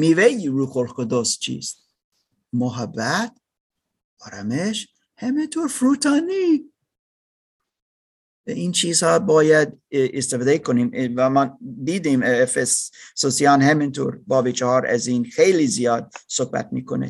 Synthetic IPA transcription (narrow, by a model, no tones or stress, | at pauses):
miːvejiɾuxolxod̪ost͡ʃʰḭːst̪ | moɦæbæt̪ | ɒːɾæmeʃ | hæmint̪ʰoːɾfɾuːt̪ʰɑni | ɛʔiːnt͡ʃʰiːzhɒːbɒːjæd̪est̪efɑd̪eikʰonimvæmɑnd̪iːd̪imfesːosijɑːnɦæmint̪ʰoɾbɒːbit͡ʃʰɔhɑːɾæ̰ziːnxejlizijɒːd̪̚sohbæ̰t̪̚miːkʰonḛ